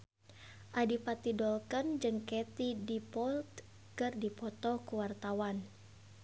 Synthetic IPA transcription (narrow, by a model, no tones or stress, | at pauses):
ʔadipat̪idɔlkɔnd͡ʒɨŋkɛt̪idipɔlt̪ | kɨrdipɔt̪ɔkuwart̪awan